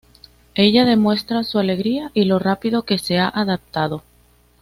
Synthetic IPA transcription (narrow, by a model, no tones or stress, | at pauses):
e̞ʝað̞e̞mwe̞st̪ɾasuale̞ɣɾiaʔilo̞rapiðo̞ke̞se̞aʔaðap̚t̪að̞o̞